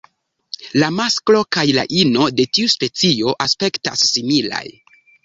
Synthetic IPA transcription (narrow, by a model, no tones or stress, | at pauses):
lamasklo̞kajla̰ʔino̞de̞tiuspe̞t͡sio̞ʔaspe̞kta̰sːimila̰j